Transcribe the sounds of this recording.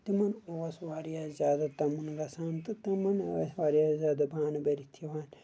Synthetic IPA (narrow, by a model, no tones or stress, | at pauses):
t̪imɐnoːsʋaːɾijaːzʲjaːd̪at̪ɐmunɾɐsaːnt̪ɨt̪ɐmɐnsʋaːɾjaːzʲaːd̪ɐbʱaːnɐbeɾit̪ʰiʋaːn